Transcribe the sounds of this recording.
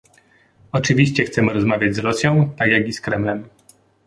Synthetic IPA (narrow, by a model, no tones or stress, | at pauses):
ɔt͡ʂɘvʲiɕt͡ɕɛxt̪sɛmɘɾɔzmavʲjad͡ʑzɾɔsʲjɔ̃w̃t̪aɡjaɡiskɾɛmlɛm